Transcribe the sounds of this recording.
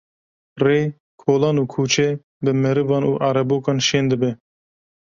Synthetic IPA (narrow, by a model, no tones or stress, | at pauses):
reː | kʰoːlɑːnuːkʰuːt͡ʃʰɛ | bɨmɛɾɨvɑːnṵːʔɑːɾɛboːkɑːnʃeːnd̪ɨbɛ